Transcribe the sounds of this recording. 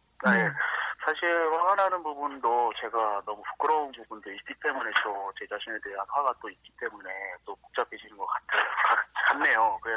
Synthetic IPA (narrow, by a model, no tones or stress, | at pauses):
aje̞sʰaɕʰiɭwaɡanɦanɯnpubundot͡ɕe̞ɡanʌmupʰu̥k͈ɯɾʌunpubundoit̚k͈it͈e̞mune̞t͈ot͡ɕe̞t͡ɕaɕʰimedeanwaɡat͈oik̚k͈it͈e̞mune̞t͈ok͈ok̚t͡ɕ͈ap͈̚eɕʰinɯnɡʌk͈atʰeokakanːe̞jokɯɾe